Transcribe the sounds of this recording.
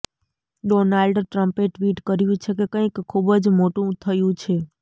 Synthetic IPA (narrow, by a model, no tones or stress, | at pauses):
ɖonalɖʈɾəmpeʈʋiʈkəɾjũt͡ʃʰekekə̃ikʰːubd͡ʒmoʈũt̪ʰəjũt͡ʃʰe